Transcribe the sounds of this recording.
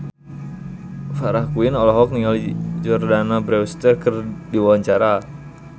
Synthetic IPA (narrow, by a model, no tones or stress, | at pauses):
faɾahkuinɔlɔɦɔk̚niŋalid͡ʒɔrdanabɾɛwst̪ɛrkərdiwawaɲt͡ʃaɾa